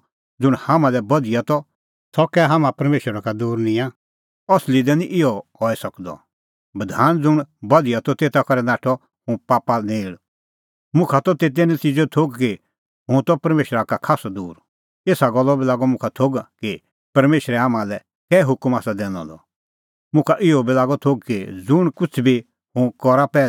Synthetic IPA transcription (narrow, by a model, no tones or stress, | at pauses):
d͡zʊɽ̃hamãlɛbɐd̪ɪjat̪ɔ | sɔkɛɦamãpɐɾmeːʃɾakad̪uːɾnĩã | ɔslid̪ɛniʔɪɔhɔɛsɐkd̪ɔ̰ | bɐd̪ʱaːnd͡zʊɽ̃bɐd̪ijat̪ɔt̪eːt̪akɔɾɛnaːʈʰɔ | ɦʊ̃paːpanẽːɽ | mʊ̃kʰat̪ɔt̪et̪̬ɛnit͡ʃid͡ʒet̪ʰoɡki | ɦʊ̃t̪ɔpɐɾmeːʃɾakakʰaːsɔd̪uːɾ | eːsaɡɔlːɔbilaːɡɔmʊ̃kʰat̪ʰoɡki | pɐɾmeːʃɾɛaːmãlɛ | kɛːɦʊkmaːsad̪ɛːñɔ̰̃d̪ɔ̰ | mʊ̃kʰaʔɪɔbilaːɡɔt̪ʰoɡ̚kid͡zʊɽ̃kʊt͡sʰbi | hʊ̃kɔɾapɛː